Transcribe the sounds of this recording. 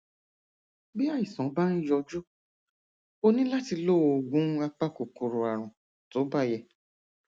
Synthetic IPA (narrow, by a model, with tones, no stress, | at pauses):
bi˦a˦˨i˨sɔ̃˨˦ba˦ɾ̃ĩ˦jɔ˧d͡ʒu˦ | o˧nĩ˦la˦ti˧lo˦˨˧o˧˨ɡũ˨˦a˧k͡pa˦ko˨ko˨ɾo˨a˨ɾ̃ɔ̃˨ | to˨˦ba˦˨jɛ˧